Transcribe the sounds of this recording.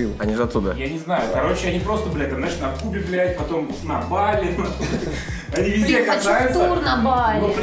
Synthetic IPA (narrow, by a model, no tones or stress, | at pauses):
iɐnʲiʐɨɐt̪ːud̪əjanʲɪznajʊkɐɾo̞t͡ɕɪɐnʲipɾo̞st̪əblʲat̪ɐmnat͡ɕɪnɐkubʲɪvlʲæt̪̚ʲpɐt̪o̞m | nɐbalʲɪɐt̪ | ɐnʲivʲɪzʲdʲeɐkɐzajʊt̪səurnəalop